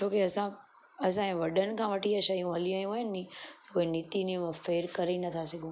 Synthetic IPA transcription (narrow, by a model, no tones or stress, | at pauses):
t͡ʃʰoːkeɐsã | ɐs̬ãɛ̃ːʋɐɖənɪ̆kʰãːʋɐʈiaʃɐijũɦɐliaːjũʋɐɦjənɪĩt̪ɐkoːinit̪inĩmãfeːɾkɐɾenɐt̪ʰasɐɡʱũ